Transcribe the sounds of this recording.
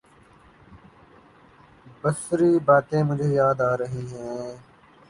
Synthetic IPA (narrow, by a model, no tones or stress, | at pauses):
bəsɾiːbaːt̪ẽːmʊd͡ʒʱeːjaːd̪aːɾəɦiːɦɛ̃ː